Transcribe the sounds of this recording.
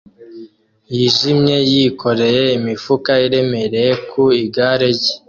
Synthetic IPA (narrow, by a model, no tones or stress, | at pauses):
jiʒimɲe̞jikʰo̞ɾe̞je̞imifukaiɾe̞me̞ɾejekʰuiɡaːɾeɟe